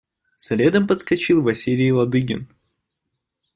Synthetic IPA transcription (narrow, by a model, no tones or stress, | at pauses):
sɐlʲed̪əmpət̪skɐt͡ɕilˠvɐsʲilʲɪjlˠɐd̪ɨɡʲɪ̰n